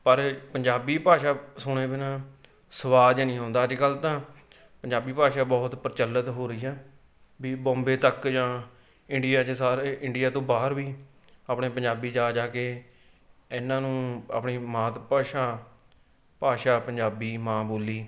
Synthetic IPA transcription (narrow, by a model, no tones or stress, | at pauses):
pəɾpəɲd͡ʒaːbiːpaːʃaːsʊɽ̃eːbɪnãː | səʋaːd͡ʒnĩːɦõːnd̪aːəd͡ʒkəlt̪ãː | pəɲd͡ʒaːbiːpaːʃaːbɔːt̪pəɾt͡ʃəlːət̪ɦoːɾəiːɦɛː | biːbɔ̃ːmbeːt̪əkd͡ʒãː | ɪɳɖɪjaːt͡ʃesaːɾeʔɪɳɖijaːt̪õːbaːɦəɾʋiː | aːpɳeːpəɲd͡ʒaːbiːd͡ʒaːd͡ʒaːkeː | ɪnãːnũːa̰ːpɳiːmãːt̪paːʃaː | paːʃaːpəɲd͡ʒaːbiːmãːboːliː